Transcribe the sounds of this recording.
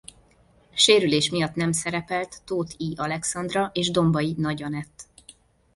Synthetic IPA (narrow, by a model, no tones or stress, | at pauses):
ʃeːɾyleːʃmijɒt̪nɛmsɛɾɛpɛlt̪ːoːt̪ʰiːʔɒlɛksɒnd̪rɒʔeːʒd̪o̞mbɒjinɒɟɒnɛt̪ː